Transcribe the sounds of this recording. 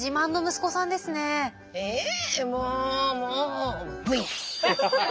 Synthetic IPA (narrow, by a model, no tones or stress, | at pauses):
ʑimãnːo̞mɯ̟sɨ̥ko̞sãnd̪e̞sɨne̞ | emoːmoːbɯ̟i